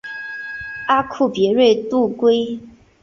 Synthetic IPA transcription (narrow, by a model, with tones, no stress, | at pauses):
a˥kʰu˥˩pjɛ˧˥ɻwe˥˧ɪt̪u˥˩kwe˥ɪ